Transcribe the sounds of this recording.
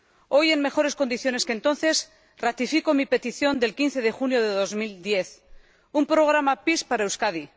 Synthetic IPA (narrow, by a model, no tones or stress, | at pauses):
o̞je̞ŋme̞xo̞ɾe̞sko̞nd̪iθjo̞ne̞skent̪o̞n̟θe̞s | rat̪ifikomipe̞t̪iθjo̞nd̪e̞lkinθe̞ð̞e̞xunjo̞ðe̞ðo̞zmild̪je̞θ | umpɾo̞ɣ̞ɾamapispaɾaewskaði